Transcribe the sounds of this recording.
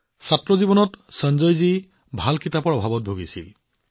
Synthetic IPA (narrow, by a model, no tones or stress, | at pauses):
satɹɔzibɔnɔtsənd͡ʒɔjzi | bʱalkitapɔɹɔbʱabɔt̚bʱoɡisḭl